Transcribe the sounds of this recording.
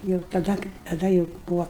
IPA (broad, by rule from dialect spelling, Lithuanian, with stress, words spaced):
jɛʊ tɐˈdɐ tɐˈdɐ jɛʊ ˈbuːʋoː